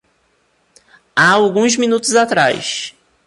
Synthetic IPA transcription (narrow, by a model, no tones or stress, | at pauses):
aawɡũzmĩnut̪ʊzat̪ɾa̰js